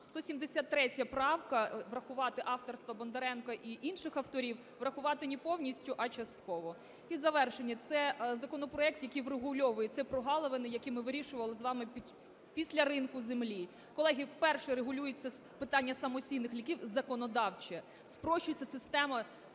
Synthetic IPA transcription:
st̪ɔsʲimd̪esʲat̪ːɾɛtʲjɐpɾɑwkɐʋrɐxʊʋɑt̪ɪʔɑft̪ɔrst̪ʋɐbɔnd̪eɾɛnkɐʔiʔinʃɪxɐwt̪ɔɾʲiw | ʋrɐxʊʋɑt̪ɪnʲipɔwnʲisʲtʲʊʔɐt͡ʃɐst̪kɔʋɔ | izɐʋɛrʃenʲːɐt̪sɛzɐkɔnɔpɾɔɛk̚t̪jɐkijʋreɦʊlʲɔʋʊjɛt̪sɛpɾɔɦɑlˠɔʋenɪjɐkimɪʋɪɾʲiʃʊʋɐlˠɪzʋɑmɪ | pʲisʲlʲɐɾɪnkʊzemlʲi | kɔlˠɛɦʲiwpɛrʃɛɾeɦʊlʲujʊt͡sʲːɐ | pɪt̪ɑnʲːɐsɐmɔsʲijnɪxlʲikʲiwzɐkɔnɔd̪ɑwt͡ʃɛ | spɾɔʃt͡ʃʊjʊt͡sʲːɐsɪst̪ɛmɐ

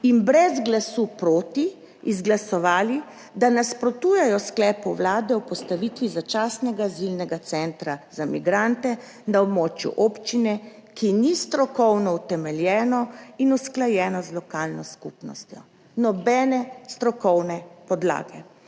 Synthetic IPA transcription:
inbɾɛzɡlasupɾoːt̪iː | zɡlasɔʋaːli | d̪anaspɾɔt̪uːjɛjɔsklɛːpɔwlaːd̪ɛwpɔst̪aʋit̪ʋizat͡ʃasnɛɡazilnɛɡat̪sɛnt̪ɾazamḭɡɾant̪ɛ | naɔbmɔːt͡ʃjṵʔɔpt͡ʃinɛkinist̪ɾɔkɔwnɔut̪ɛmɛljɛːnɔinusklajɛːnɔzlɔkaːlnɔskupnɔst̪jɔ | nɔbɛːnɛst̪ɾɔkɔwnɛpɔd̪la̰ːɡɛ

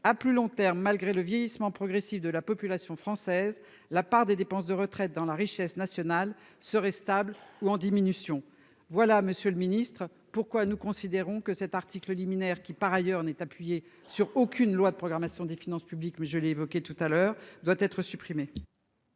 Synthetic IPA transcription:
aplylɔ̃t̪ɛʁmːalɡʁeləvjɛjismɑ̃pχɔɡʁɛsifd̪əlapɔpylasjɔ̃fχɑ̃sɛz | lapaʁd̪ed̪epɑ̃s̬d̪əʁət̪χɛt̪̚d̪ɑ̃laʁiʃɛsnasjɔnal | səʁɛst̪abluɑ̃d̪iminysjɔ̃ | vwalaməsjøləminist̪χ | puʁkwanukɔ̃sid̪eʁɔ̃kəsɛt̪aʁt̪ikləliminɛʁkʲipaʁajœʁnɛt̪apɥije | syʁokʲynlwad̪əpχɔɡʁamasjɔ̃d̪efinɑ̃spyblikmɛʒəlɛːvɔkʲet̪ut̪alœːʁd̪wat̪ɛt̪χəsypχime

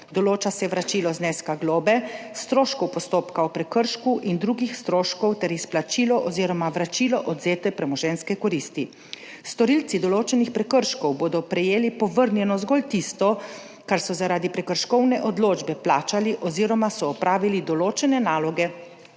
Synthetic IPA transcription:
d̪ɔloːt͡ʃasɛʋɾat͡ʃiːlɔzneːskaɡloːbɛst̪ɾoːʃkɔwpɔst̪oːpkaɔpɾɛkəɾʃkuʔind̪ɾuɡixst̪ɾoːʃkɔwt̪ɛɾisplat͡ʃiːlɔʔɔziːɾɔmaʋɾat͡ʃilɔʔɔd̪zeːt̪ɛpɾɛmɔʒɛnskɛkɔɾist̪i | st̪ɔɾilt̪sid̪ɔloːt͡ʃɛnixpɾɛkəɾʃkɔwboːd̪ɔpɾɛjeːlipɔʋəɾnjɛnɔzɡolt̪ist̪ɔ | kaɾsɔzaɾaːd̪ipɾɛkəɾʃkɔwnɛʔɔd̪loːd͡ʒbɛplaːt͡ʃaliʔɔziɾɔmasɔːpɾʔaːʋilid̪ɔloːt͡ʃɛnɛnaːlɔɡɛ

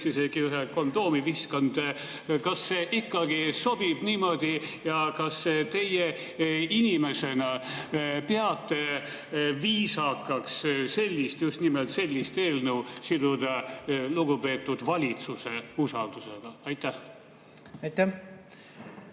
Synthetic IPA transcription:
sise̞ɡ̥iyɦeko̞nd̪̥o̞ːmiviskond̪̥ | kɑsːe̞ʔikːɑɡiso̞b̥ib̥niːmo̞d̪ijɑkɑsːet̪e̞je | inʲime̞se̞nɑ | peɑt̪ːe̞ | viːsɑkːˑɑksse̞lʲːist̪just̪nimelt̪se̞lʲːist̪e̞ːlnuwsid̪ud̪̥ɑluɡ̥upe̞ːt̪ːˑud̪̥vɑlʲit̪suse̞usɑld̪̥use̞ɡ̥ɑɑjt̪ːˑæh | ɑjt̪æ

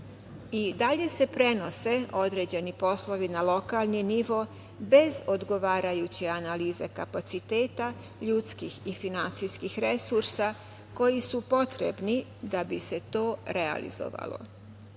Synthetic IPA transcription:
id̪aʎe̞se̞pɾe̞no̞se̞o̞d̪ɾe̞ːd͡ʑe̞nipo̞slˠo̞ʋinalo̞kaːlˠniniʋo̞ | be̞zo̞d̪ɡo̞ʋaːɾajut͡ɕeanaliːze̞kapat̪sit̪e̞ːt̪a | ʎut̪skixifinant̪sijskixɾesuɾsa | ko̞jisupo̞t̪ɾḛbni | d̪abise̞t̪o̞ːɾea̰lḭzo̰ʋa̰lo̞̰

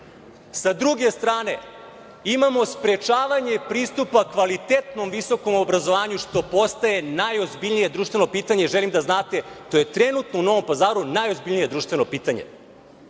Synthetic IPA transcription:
sad̪ɾuɡe̞st̪ɾaːne̞ | imamo̞spɾe̞t͡ʃaːʋaɲe̞pɾiːst̪upakʋalit̪et̪no̞mʋiso̞ko̞mobɾazo̞ʋaːɲuʂt̪o̞po̞st̪aje̞najozbiʎnije̞d̪ɾuːʃt̪ve̞no̞piːt̪aɲeʒelimd̪aznaːt̪e̞t̪o̞je̞t̪ɾenut̪nouno̞ʋo̞mpazaːɾunajo̞zbiʎnije̞d̪ɾuːʃt̪ʋe̞nopiːt̪aɲḛ

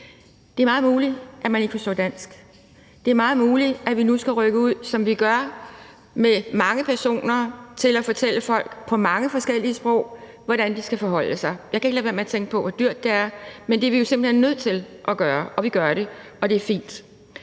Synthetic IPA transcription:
d̥e̝ɐmɑ̈ːð̩ˠmuːliʔæmæne̝ɡ̥əfɒ̽sdɔɒ̰ːd̥æn̰sɡ̥ | d̥e̝æɐmɑ̈ːð̞̩ˠmuːliʔæʋinusɡ̥æʁœɡ̥əuð̰ˠsɒ̽mʋiɡ̥ɶɐ | memɑ̈ŋəpʰæɐso̝̰ːnɐt͡sʰe̝læfɒ̽t͡sʰel̰əfɒ̽l̰ɡ̥pʰɒ̽mɑ̈ŋəfɒ̽sɡ̥el̰iəsb̥ʁɔ̽ʊ̰ | ʋɒɾ̥ænd̥isɡ̥æfɒ̽ɦɒ̽l̰əsɑ̈ɪjɑ̈ɪkʰæe̝ɡ̥læːʋæɐmæɐt͡sʰeŋ̰ɡ̥əpʰɒ̽ʋɒd̥yɐ̰d̥ːeæɐmend̥e̝ʋijo̝semb̥l̩henːøð̞̰ˠt͡sʰe̝lʔɒɡ̥ɶːɐʔɒ̽ʋiɡ̥ɶɐɾ̥e̝ɒ̽d̥e̝æɐfḭːnd̥

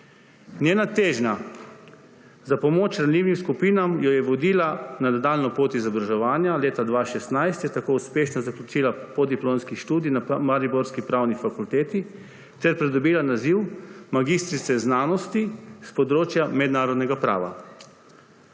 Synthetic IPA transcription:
nʲjeːnat̪eːʒna | zapɔmoːt͡ʃɾanliːwnimskupiːnamjɔjɛʋɔd̪iːlananad̪aːlnɔpoːt̪izabɾaʒɛʋaːnjaleːt̪ad̪ʋaːʃɛst̪najst̪jɛt̪akoːuspeːʃnɔzaklʲut͡ʃiːlapɔd̪iploːnskiʃt̪uːd̪iinamaɾibɔɾskipɾawnifakult̪eːt̪i | t̪ɛɾpɾɛd̪ɔbiːlanaziwmaɡist̪ɾit̪ɛznaːnɔst̪ispɔd̪ɾoːt͡ʃjamɛd̪naːɾɔd̪nɛɡapɾa̰ːʋa̰

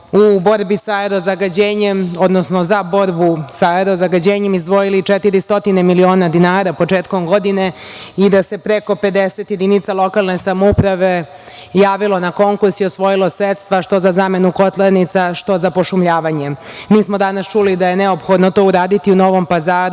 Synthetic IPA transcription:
ubo̞ɾbisaeɾozaɡad͡ʑeːɲemod̪nosnozabo̞ɾbusaeɾo̞zaɡad͡ʑeːɲe̞mizd̪ʋo̞jilit͡ʃet̪iɾist̪o̞t̪inemilio̞ːnad̪inaːɾapo̞t͡ʃeːt̪ko̞mɡo̞d̪ine̞id̪ase̞pɾe̞ko̞pe̞d̪eset̪je̞d̪init̪salˠo̞kalˠne̞samoupɾaʋe | jaːʋilˠo̞nako̞ŋkuɾsiosʋo̞jilˠo̞sɾet̪st̪ʋaʃt̪o̞zazame̞nuko̞t̪lenit̪saʃt̪o̞zapo̞ʃumʎaːʋaɲe̞miːsmod̪anast͡ʃulid̪ajeneopxo̞d̪not̪o̞uɾaːd̪it̪iuno̞ʋo̞mpazaːɾu

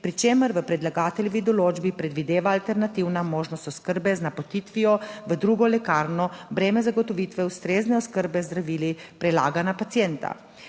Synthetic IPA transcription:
pɾit͡ʃeməɾʋəpɾɛd̪laɡaːt̪ɛljɔʋid̪ɔloːd͡ʒbipɾɛd̪ʋid̪eːʋaːlt̪ɛɾnat̪iwnamoːʒnɔst̪ɔskəɾbɛznapot̪it̪ʋijɔʋəd̪ɾuɡɔlɛkaːɾnɔbɾeːmɛzaɡɔt̪ɔʋiːt̪ʋɛwst̪ɾeːznɛɔskəɾbɛzd̪ɾaʋiːlipɾɛla̰ːɡanapat̪sijɛnt̪a̰

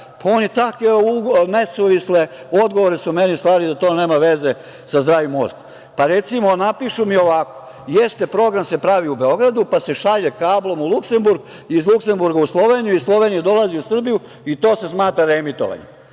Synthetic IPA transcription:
pʰaonit̪akʋeunesuʋisle | od̪ɡo̞ʋoɾesume̞nist̪ʋaːɾid̪at̪o̞ːne̞ːmaʋe̞ze̞ | sazd̪ɾaːʋjomosko̥m | paɾe̞t̪simonapiʃumio̞ʋako̥ | jest̪e̞pɾo̞ɡɾamse̞pɾaʋiube̞o̞ɡɾad̪upase̞ʃaʎekaːblˠo̞mulˠukse̞mbuɾɡ | iːzlukse̞mbuɾɡauslˠo̞ʋeːnijuislˠo̞ʋe̞ːnijed̪o̞laziusr̩biju | it̪o̞ːse̞smaːt̪ɾaɾemit̪o̰ʋa̰ɲḛ

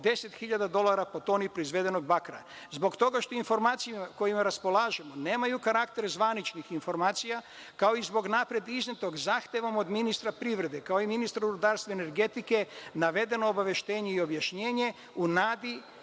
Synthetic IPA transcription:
d̪e̞se̞t̪xiʎad̪ad̪o̞lˠaɾapot̪o̞ːnipɾo̞izʋe̞d̪eno̞ɡ̚bakɾa̰ | zbo̞kt̪o̞ɡaʃt̪o̞info̞ɾmaːt̪sijimako̞jimaɾaspo̞lˠaːʒemo̞ne̞ːmajukaɾakt̪e̞ɾzʋanit͡ʃnixinfo̞ɾmaːt̪sija | kaoizbo̞ɡnapɾje̞d̪iznet̪o̞ɡzaːxt̪ʲjeʋo̞mod̪minist̪ɾapɾiʋɾe̞d̪e̞kao̞iminist̪ɾuɾud̪aːɾst̪ʋaene̞ɾɡe̞t̪ike̞naʋe̞d̪e̞noːbaʋe̞ʃt̪e̞ːɲeio̞bjaʃɲe̞ːɲe̞ | unaːd̪i

